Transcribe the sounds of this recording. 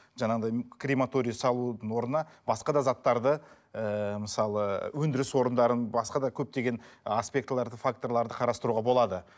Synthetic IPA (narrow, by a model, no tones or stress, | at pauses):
ʒɑnɑd̪ɑjkrʲimat̪o̞ɾʲijsɑlˠud̪ənwo̞ɾnənɑbɑsqɑd̪ɑzɑt̪ːɑɾd̪ə | əməsɑlˠəwɵnd̪ɪɾɪswo̞ɾənd̪ɑɾənbɑsqɑd̪ɑkʲʰɵp̚t̪e̞ɡʲe̞naspʲe̞kt̪lˠɑɾd̪əfak̚t̪o̞ɾlˠɑɾd̪əqʰɑɾɑst̪əɾuʁɑbo̞lˠɑd̪ə